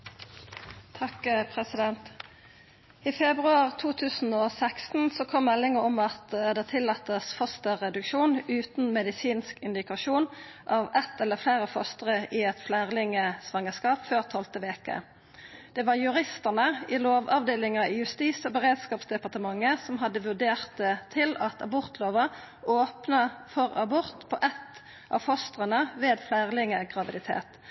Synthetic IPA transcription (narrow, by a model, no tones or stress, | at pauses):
t̪ʰɑkpʰʁɛsɪd̪ɛnt̪ | iːfɛbʁʉɑʁt̪ʰuːt̪ʰʉːsn̩oːsækst̪n̩sokʰɔmːɛlɪŋəʁɔmɑt̪d̪ɛt̪ʰɪlːɑːt̪ːəsfɔst̪əʁɛd̪ʉkʃuːnʉːt̪n̩mɛd̪ɪsiːnskɪnd̪ɪkɑʃuːn | ʔɑːʋɛt̪ɛlːəflæːʁəfɔst̪əʁəʔɪɛt̪flæːʁlɪŋəsʋɑŋːəskɑːpføːʁt̪ʰːɔlt̪əʋeːkə̰ | d̪̥ɛʋɑʁjʉʁɪst̪əʁnəɪloːʋɑʋd̪eːlɪŋɑɪjʉst̪iːsɔbəʁeːd̪skɑːpsd̪ɛpɑʁt̪əmɑŋːəsɔmɦɑd̪ːəʋʉʁd̪eːʁt̪ət̪ʰːɪlɑt̪ʰɑ̰bɔʁt̪loːʋə | oːpnəfɔʁɑbɔʁt̪pʰɔʔɛt̪ː | ʔɑ̰ʋfɔst̪ʁənəʋeːd̪flæːʁlɪŋəɡʁɑʋɪd̪ɪt̪ʰḛːt̪